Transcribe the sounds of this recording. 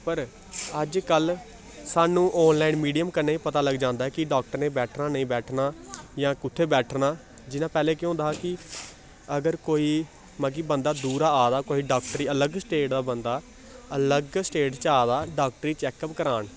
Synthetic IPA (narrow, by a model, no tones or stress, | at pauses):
pəɾ | əd͡ʒkəl | saːnũːʔɔːnlaːinmiːɖijəmkənaːiːpət̪aːləɡd͡ʒãːnd̪aːɛːkɪɖaːk̚ʈəɾneːbɛːʈʰnaːnəĩːbɛːʈʰnaːjãːkʊt̪ʰːeːbɛːʈʰnaː | d͡ʒɪnãːpɛːleːkjɦõːnd̪aːɦkɪ | əɡəɾkoːiː | mə̃ɡiːbənd̪aːd̪uːɾaːaːd̪aːkoːiːɖaːk̚ʈɾiːələɡsʈeːʈd̪aːbənd̪aː | ələɡsʈeːʈt͡ʃaːd̪aːɖaːk̚ʈəɾiːt͡ʃɛːkəpkəɾaːn